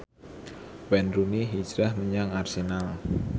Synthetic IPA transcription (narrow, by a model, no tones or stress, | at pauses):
wɛndɾuniɦi̥d͡ʒɾahməɲaŋarsenal